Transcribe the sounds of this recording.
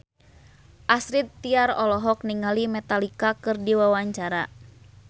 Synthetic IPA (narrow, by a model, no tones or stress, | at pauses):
ʔasɾit̪ːiaɾɔlɔɦɔk̚niŋalimɛt̪alikakɨrdiwawaɲt͡ʃaɾa